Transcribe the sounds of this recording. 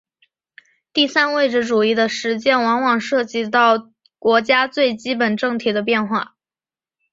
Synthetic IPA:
t̪i˥˩sa˥nwe˥˧ɪʈ͡ʂɻ̩˧˥˩ʈ͡ʂu˨˩i˥˩d̪ə˨ʂɻ̩˧˥t͡ɕjɛ˥˩nwɑ˧˥ŋwɑ˨˩ŋʂɤ˥˩t͡ɕi˧˥t̪ɑ˥˩ʊ | kwɔ˧˥t͡ɕja˥t͡swe˥˩ɪt͡ɕi˥pə˨˩nʈ͡ʂɤ˥˩ŋt̪ʰi˨˩d̪ə˦p̬jɛ˥˧nxwa̰˥˩

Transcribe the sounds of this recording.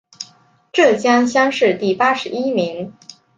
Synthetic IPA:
ʈ͡ʂɤ˥˩t͡ɕjɑ˥ŋɕjɑ˥ŋʂɻ̩˥˧t̪i˥˩pa˥ʂɻ̩˧˥i˥mi˧˥ŋ

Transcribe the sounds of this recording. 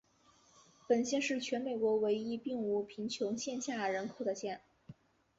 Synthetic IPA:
pə˨˩nɕjɛ˥˧nʂɻ̩˥˩t͡ɕʰɥɛ˧˥nme˨˩ɪkwɔ˧˥we˧˥ɪi˥pi˥˩ŋu˧˥˩pʰi˧˥ŋt͡ɕʰjʊ˧˥ŋɕjɛ˥˧nɕja˥˩ɻə˧˥nkʰo˨˩ʊd̪ə˦ɕjɛ˥˩n

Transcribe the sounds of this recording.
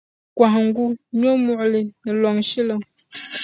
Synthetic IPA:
kwã˨ŋ˨ŋ̩˦ɡu˦ɲ˦o˦mu˨ʔle˨nə˨lɔ˨ŋʃi˦lə˨ŋ

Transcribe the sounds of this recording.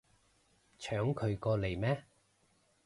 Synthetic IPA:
t͡ʃʰœː˨˥ŋkʰɵ˨˧ɥkɔː˧le˨˩jmɛː˦˥

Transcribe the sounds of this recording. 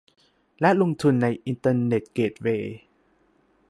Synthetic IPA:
lɛ˦˥lo˧ŋt̪ʰu˧nːa˧jʔi˧nt̪ɤː˧ne˨˩t̪̚keː˨˩t̪̚weː˧

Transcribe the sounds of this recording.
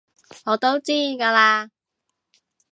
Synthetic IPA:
ŋɔː˨˧t̪o˥wt͡siː˥˨kaː˧laː˧

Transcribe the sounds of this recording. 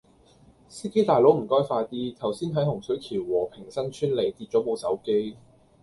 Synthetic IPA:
siː˥ke˥jt̪aː˨jlo˨˥wm̩˨˩kɔː˥jfaː˧jt̪iː˥t̪ʰɐ˨˩wsiː˥nt̪ʰɐ˨˥jhʊ˨˩ŋsɵ˨˥ɥkʰiː˨˩wwɔː˨˩pʰɪ˨˩ŋsɐ˥nt͡ʃʰyː˥nle˨˩jt̪iː˧t̚t͡ʃɔː˨˥mo˨˧wsɐ˨˥wke˥j

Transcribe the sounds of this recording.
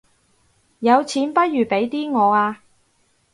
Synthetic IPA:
jɐ˨˧wt͡sʰiː˨˥npɐ˥t̚jyː˨˩pe˨˥jt̪iː˥ŋɔː˨˧aː˧

